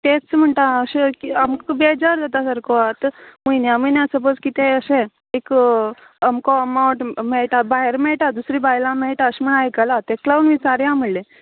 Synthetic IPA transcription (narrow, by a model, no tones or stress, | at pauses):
t̪et͡sm̤əɳt̪aəɕekiamkbed͡ʑaɾd͡zat̪asəɾkɔat̪mujnjaməjnjasəp̬od͡zkit̪eəɕẽ | ek | əmkoəmauɳʈmeɭʈabaɦeɾmeɭʈad̪usɾibajlãmeɭʈaəɕm̤əɳajkəlat̪eklaunʋit͡saɾjãməɽle